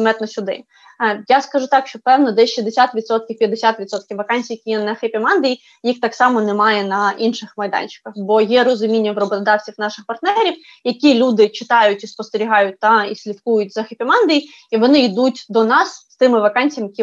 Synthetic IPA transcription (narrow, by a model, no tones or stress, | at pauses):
mɛt̪nɔsʲʊd̪ɪ̰ | jaskɐʒut̪ɑkʃt͡ʃɔpɛwnɔd̪ɛʃizd̪esʲat̪ʋʲid̪sɔt̪̚kʲiwpʲjɐd̪esʲat̪ʋʲid̪sɔt̪̚kʲiwʋɐkɑnʲsʲijɐkʲijɛnɐxepʲimɑnd̪ɪji | jixt̪ɑksɑmɔnɛmɑjɛnɐʔinʃɪxmɐjd̪ɑ̰nʲt͡ʃɪ̥kɐxbɔjɛɾɔzʊmʲinʲːɐʋɾɔbɔt̪ɔd̪ɑwt͡sʲiwnɑʃɪxpɐrt̪nɛɾʲiw | jɐkʲilʲud̪ɪt͡ʃɪt̪ɑjʊtʲispɔst̪eɾʲiɦɑjʊt̚ʲt̪ɑisʲlʲit̪kujʊtʲzɐxepʲimɑnd̪ʲɪji | iʋɔnɪid̪utʲd̪ɔnɑsst̪ɪmɪʋɐkɑnʲt͡sʲjɐmjɐkʲi